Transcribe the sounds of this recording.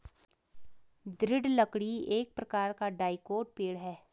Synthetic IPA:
d̪ɾɪɖləkɽieːk̚pɾɐkaːɾkaɖaːɪkoːɖ̚peːɽɦɛː

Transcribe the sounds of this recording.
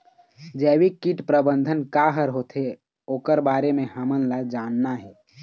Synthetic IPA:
d͡ʒɛːwikiʈpɾəbə̃nd̪ʱənkaɦəɾɦoːt̪e | oːkəɾbaːɾemẽhəmənlad͡ʒaːnːaɦɛː

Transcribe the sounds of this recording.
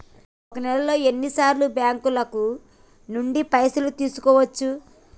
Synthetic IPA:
ɔkɐnɛlɐlo̞ːe̞nːisaːɾlubjaːŋkulɐku | nuɳɖipɐjsɐlut̪iːsu̥kɔːʋɐt͡ʃːu

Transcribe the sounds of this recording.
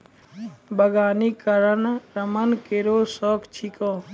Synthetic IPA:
bəɡaːnikəɾənɾəmənkeɾoːsɔːkt͡ʃʰikoː

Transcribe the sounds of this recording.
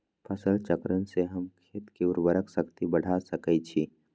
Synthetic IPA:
pʰəsəlt͡ʃəkɾənseɦɐmkʰeːt̪kiʊɾbəɾəksɐkt̪ibɐɽ̤ʱasɐkəit͡ʃʰi

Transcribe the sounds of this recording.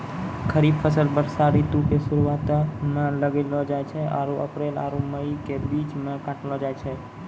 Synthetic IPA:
kʰəɾibfʰəsəlbəɾsaɾit̪uʈesʊɾuʋat̪amẽləɡelod͡ʒajt͡ʃʰea̰ɾuʔə̰pɾela̰ɾuməikebit͡ʃmẽkãʈelod͡ʒajt͡ʃʰe

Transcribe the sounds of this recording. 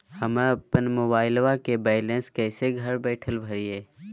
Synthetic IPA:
həməpənmoːbaːɪlʋakebɛːɪlẽnskɛːseɡʱəɾbɛːʈʰəlbʱəɾieː

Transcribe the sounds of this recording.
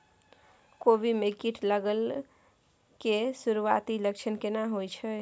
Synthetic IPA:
kobimekiʈʰləɡəl | kesuɾuat̪iləkt͡ʃʰənkenaɦojt͡ʃʰə

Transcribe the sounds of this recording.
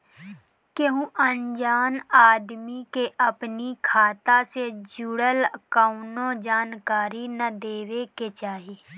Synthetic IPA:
keɦũʔənd͡ʒaːnaːd̪mikeʔəpnikʰaːt̪ased͡ʒuɽəlkaʊnõd͡ʒaːnkaːɾinəd̪eːʋeket͡ʃaːɦiː

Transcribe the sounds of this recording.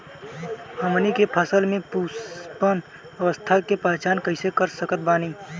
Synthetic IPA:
həmnikepʰəsəlmẽpuːspən | əʋəst̪ʰakepaːt͡ʃaːnkɐɪsekəɾsəkət̪̚baːniː

